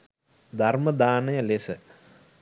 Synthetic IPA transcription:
d̪arməd̪aːnəjəlesə

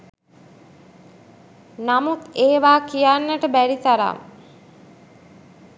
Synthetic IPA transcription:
namut̪eːʋaːkijanːəʈəbæɾit̪aɾa̰m

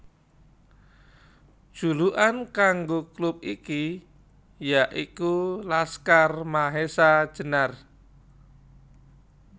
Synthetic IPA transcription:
d̥ʒ̥ṳluʔankaŋɡoklup̚iki | jaʔikulaskarmaɦesad̥ʒ̥ə̤nar

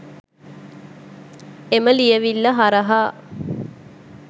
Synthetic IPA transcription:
eməlijəʋilːɐɦaɾəɦaː

